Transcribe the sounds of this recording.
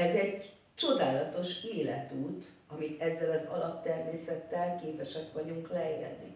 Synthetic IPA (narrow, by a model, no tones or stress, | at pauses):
ɛzɛɟ | t͡ʃo̞d̪aːlɒt̪o̞ʃeːlɛt̪uːt̪ | ɒmit̪ɛzːɛlɒzɒ̰lɒpt̪ɛrmeːsɛt̪ːɛlkeːpɛʃɛkʋɒɟuŋklɛjɛ̰d̪ːḭ